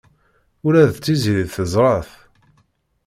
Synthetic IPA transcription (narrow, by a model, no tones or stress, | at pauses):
ʊɾæðt͡sːiziɾiðθəzˤɾˤəθ